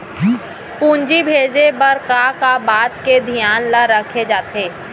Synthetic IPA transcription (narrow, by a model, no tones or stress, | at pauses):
pũːnd͡ʒibʱeːd͡ʒebɐɾkakabaːt̪ked̪ʱijaːnlaɾəkʰed͡ʒaːt̪eː